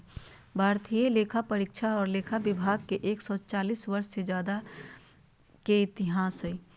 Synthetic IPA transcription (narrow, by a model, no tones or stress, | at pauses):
bʱaːɾt̪ʰijeleːkʰapəɾikʃʰaɔːɾleːkʰabɪbʱaːɡ̚keʔeːksɔt͡ʃaːliːswɐɾʃsed͡ʒjaːd̪a | keɪt̪ɪɦaːsɦɛi